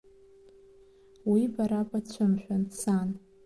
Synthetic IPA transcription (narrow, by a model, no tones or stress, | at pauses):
wibaɾapʼat͡ɕʷʰɨmʃʷᶣansan